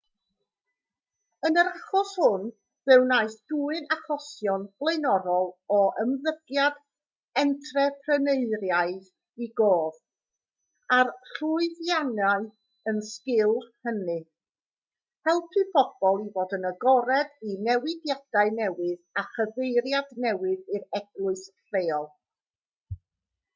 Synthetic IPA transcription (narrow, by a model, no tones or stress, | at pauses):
ənəɾaχɔshʊn | vɛwnaɨsd̥uːɨnaχɔsjɔnb̥lˠeɨnɔɾɔlˠɔʔəmðəɡ̥jad | ɛntʰrɛpʰrəneɨrjaɨð | iɡoːð | arɬʊɨðjanaɨ | ənskɪlˠhənɨ | hɛlˠpʰɨbʰɔb̥ɔlˠivoːdənəɡɔɾɛdinɛwɪdjad̥aɨnɛwɨðaχəvejɾjadnɛwɨðiɾɛɡ̥lˠʊɨsɬeːɔlˠ